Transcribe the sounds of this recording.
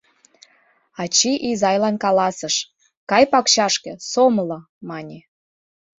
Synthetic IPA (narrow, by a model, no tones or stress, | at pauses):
ɑt͡ɕiʔizɑjlɑnkɑlɑsəʃ | kɑjpɑkɕɑʃkĕsomlɤ̆ | mɑnʲi